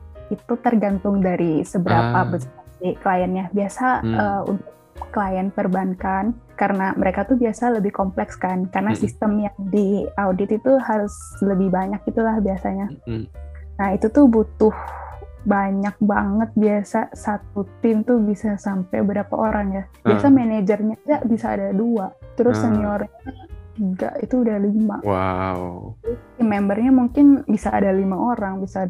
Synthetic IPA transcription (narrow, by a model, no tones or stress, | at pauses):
it̪ut̪ərɡant̪ʊŋdaɾisəbəɾa̰pabəsasikəlajanjabiasaəṵnt̪ʊkːəlajanpərbankankaɾənaməɾekat̪uhbiasaləbɪhkomplɛkskankarənasist̪əmjaŋdiaudɪt̪it̪uhaɾʊs | ləbɪhbaɲak̚it̪ulahbiasaɲa | nahit̪ut̪ʊhbut̪ʊhbaɲak̚baŋət̪̚biasasat̪̚ut̪ɪmt̪ʊhbisasampajbəbɾapa̰ʔoɾʔaŋjab̥iasamened͡ʒərɲad͡ʒabisa̰ːdaduaʔt̪əɾʊsəɲiɔrɲaŋɡa̰ʔit̪uːdahlima̰wa̰ | ɪmɛmbərɲamuŋkɪnbisaːdalimaʔoɾaŋbisaːd